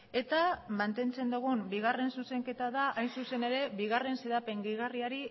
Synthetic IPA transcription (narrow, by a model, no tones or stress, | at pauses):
e̞t̪amant̪e̞nt͡se̞nd̪uɣumbiɣare̞nsuse̞ŋke̞t̪aðaʔajnsuse̞ne̞ɾe̞βiɣ̞are̞nse̞ðape̞ŋɡiɣariaɾi